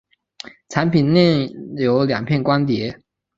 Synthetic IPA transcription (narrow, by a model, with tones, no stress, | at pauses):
ʈ͡ʂʰa˧˥npʰi˨˩nljɛ˥˩jo˧˥ʊljɑ̰˨˩ŋpʰjɛ˥˩nkwa˥nt̪jɛ˧˥